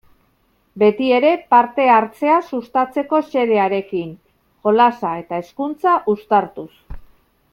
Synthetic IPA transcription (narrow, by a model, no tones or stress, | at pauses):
be̞t̪ie̞ɾe̞paɾt̪e̞aɾt͡se̞asust̪at͡se̞ko̞se̞ɾe̞aɾe̞kin | ko̞lasae̞t̪ae̞skunt͡saʔust̪aɾt̪us